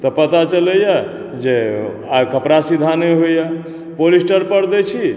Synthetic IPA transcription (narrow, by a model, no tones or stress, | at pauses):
t̪ɔpət̪at͡ʃələja | d͡ʒe | akʰəpɾasid̪ʱaneɦoja | polisʈəɾpəɾd̪ɛt͡ʃʰi